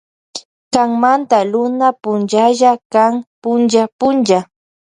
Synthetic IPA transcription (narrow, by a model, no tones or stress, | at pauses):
kaŋmant̪alʊnapʊnʒaʒakaŋpʊnd͡ʒapʊnʒa